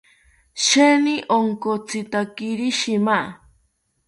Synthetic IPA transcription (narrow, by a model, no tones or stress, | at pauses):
ʃeniʔoŋkot͡sit̪akiɾiʃima